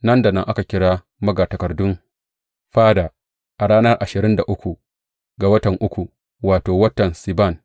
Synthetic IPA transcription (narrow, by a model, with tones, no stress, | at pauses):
nɐ˦nda˨nɐ˦ŋʔa˦ka˨kʲɪ˦ɽaː˦ | mɐ˦ɡaː˨tɐ˨kɐ˨rdʊ˦ŋ | ɸaː˦da˨ | ʔa˨ɽaː˦nɐ˦rʔa˨ʃɪ˨ɾɪ˦nda˨ʔʊ˦kʷu˨ | ɡa˨wɐ˦tɐ˨ŋʔʊ˦kʷu˨ | waː˨toː˨wɐ˦tɐ˨nsi˨ba˦˨n